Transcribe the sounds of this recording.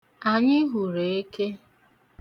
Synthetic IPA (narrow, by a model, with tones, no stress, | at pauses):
a˨ɲɪ˦ɦu˨ɾe˨e˦ke˦